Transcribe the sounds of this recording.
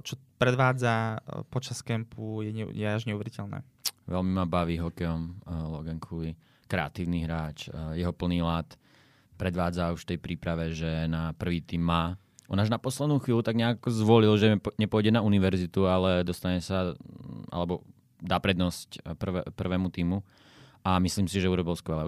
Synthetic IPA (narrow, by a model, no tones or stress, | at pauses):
t͡ʃɔpɾɛd̪ʋaːd͡zapɔt͡ʃaskɛmpʰujɛɛjɛaʒɲɛuʋɛɾicɛlnɛ̰ːʋɛlmimabaʋiːɦɔkɛɔmlɔɡɛŋkʰuli | kɾɛa̰t̪iːʊniɦɾaːt͡ʃjɛɦɔpl̩niːlaːt̪ | pɾɛd̪ʋaːd͡zauʃft̪ɛjpɾiːpɾaʋɛʒɛnapr̩ʋiːt̪iːmːaː | ʔɔnaʒnapɔslɛd̪nuːxʋiːlut̪aɡɲɛakɔzʋɔlilʒɛɲɛpʊɔjɟɛnauniʋɛɾzit̪ualɛd̪ɔst̪aɲɛsaʔa̰lɛbɔ | d̪aːpɾɛd̪nɔscpr̩ʋɛ̰pr̩ʋɛːmut̪iːmu | amisliːmsiʒɛuɾɔbilskʋɛlɛː